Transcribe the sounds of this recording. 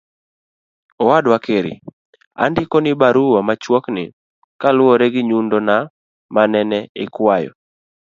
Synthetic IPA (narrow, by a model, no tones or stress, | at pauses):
ɔwadwakeɾɪ̰ | a̰ndɪkɔnɪbaɾuwamat͡ʃwɔknɪ̰ | kalʊɔɾeɡɪɲundɔna | manɛnɛɪkwajɔ̰